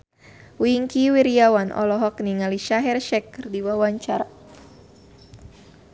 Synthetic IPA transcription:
wiŋkiwiɾiawanʔɔ̰lɔɦɔkniŋaliʃaɦɛrʃɛkːɨrdiwawaɲt͡ʃaɾa

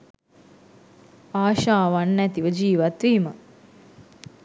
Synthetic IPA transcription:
aːʃaːʋanːæt̪iʋəd͡ʒiːʋat̪ʋiːmə

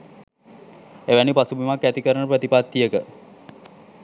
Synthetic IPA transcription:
eʋænipasubimakːæt̪ikəɾəɳəpɾət̪ipat̪ːijəkə

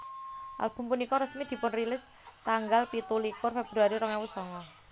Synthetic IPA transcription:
ʔa̰lb̥ṳmpunikɔɾəsmid̪̥i̤pʊnrilɪs | t̪aŋɡalpit̪ulikʊrfeb̥ɾaɾiɾɔŋɛwʊsɔŋɔ

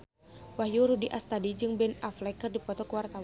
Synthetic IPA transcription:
wahjuɾudiʔast̪adid͡ʒɨŋbɛnaflɛkɨrdipɔt̪ɔkəwart̪aw

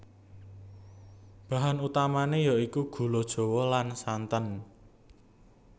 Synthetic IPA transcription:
b̥ä̤ɦanut̪amanejaikuɡ̥ṳlod̥ʒ̥o̤wɔlansant̪ən

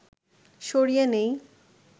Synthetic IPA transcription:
ʃoɾijanej

